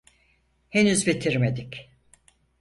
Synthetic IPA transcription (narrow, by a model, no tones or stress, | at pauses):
henyzbit̪ʰiɾmed̪ic